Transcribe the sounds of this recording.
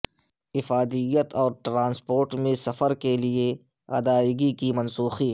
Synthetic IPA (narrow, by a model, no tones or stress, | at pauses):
ɪfaːd̪ɪjət̪ɔːɾʈɾãːnspoːɾʈmẽsɐfəɾkelie | ɐ̰d̪aːɡikimɐnsuːxiː